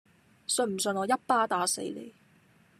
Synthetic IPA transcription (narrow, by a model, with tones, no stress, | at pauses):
sɵ˧nm̩˨˩sɵ˧nɔː˨˧jɐ˥t̚paː˥t̪aː˨˧˥se˨˧˥jlḛ˨˩j